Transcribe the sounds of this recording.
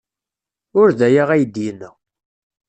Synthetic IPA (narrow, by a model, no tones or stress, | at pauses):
ʊɾðæjaʁæjəd̪jənːə